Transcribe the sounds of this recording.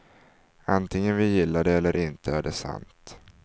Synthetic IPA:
ant̪ʰɪŋənvɪjɪlːad̪ɛɛlːəɾʔɪnt̪ʰəæɖɛsa̰nt̪

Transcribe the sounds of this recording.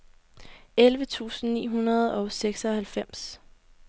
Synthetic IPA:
elʋət͡sʰṵːsn̩nḭːɦunɐð̩ˠɒ̽ʊseɡ̥sɒ̽hælfem̰s

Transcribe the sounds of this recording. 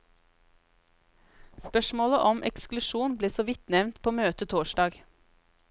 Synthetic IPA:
spœʃmoːləʔɔmʔɛ̰ksklʉʃuːnbliːsoːʋɪt̪nɛʋnt̪pʰoːmøːt̪ət̪ʰoːʃɖɑːɡ

